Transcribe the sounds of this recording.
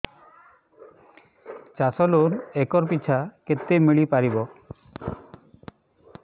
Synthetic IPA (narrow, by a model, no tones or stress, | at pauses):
t͡ʃasɔlunekɔɾpit͡ɕʰaket̪ːemiɭipaɾibɔ